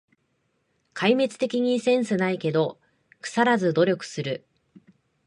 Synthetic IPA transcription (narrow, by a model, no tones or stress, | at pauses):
kʰaime̞t͡sɨ̥t̪e̞kʲiɲ̟isẽ̞ɰ̃sɨnaike̞d̪o̞ | kɯ̟̥saɾazɨd̪o̞ɾʲo̞kɯ̟̥sɨɾɯ̟